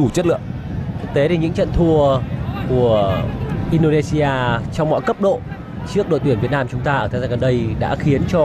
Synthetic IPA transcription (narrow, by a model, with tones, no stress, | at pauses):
u˧˩t͡ɕə˦˥t̚lɨ̰˧˨əŋ̚˦˥ | t̪e˨˦ɗe˨˩ɲɨ̰˧˥ŋt͡ɕə̰˧˨nt̪ʰu˧əku˧˩əʔi˧nɗo˧ne˧si˧aː˧t͡ɕɔ˧wŋ͡mmɔ̰˧˨jkə˦˥p̚ɗo̰˧˨ | t͡ɕɨ˦˥ək̚ɗo̰˧˨t̪i˧˩vi˨˩ət̚naː˧mt͡ɕʊ˨˦ŋ͡mt̪aː˧ʔəː˧˩t̪ʰːzaː˧ɣə˨˩nɗə˧jɗa̰ː˧˥xi˨˦ənt͡ɕɔ˧